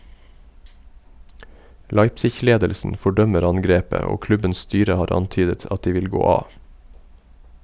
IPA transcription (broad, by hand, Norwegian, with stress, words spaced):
ˈlɑɪpsɪç ˈleːdəlsn̩ fɔˈɖœməɾ ˈɑŋɡɾeːpə ˈoː ˈklʉbəns ˈstyːɾə ˈhɑːɾ ˈɑntyːdət ˈɑt ˈdiː ˈʋɪl ˈɡoː ˈɑː